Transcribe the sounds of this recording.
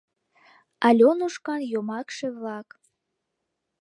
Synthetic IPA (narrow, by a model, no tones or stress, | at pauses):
ɑlʲonuʃkɑnjomɑkʃeβlɑk